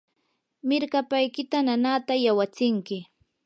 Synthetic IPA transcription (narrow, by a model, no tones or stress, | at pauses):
mɪɾkapajkɪt̪ananat̪ajawat͡sɪŋkɪ